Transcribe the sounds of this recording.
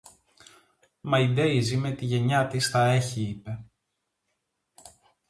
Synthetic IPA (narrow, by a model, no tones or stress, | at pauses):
mɐid̪e̞izime̞t̪iʝe̞ɲɐt̪isθɐe̞çiipe̞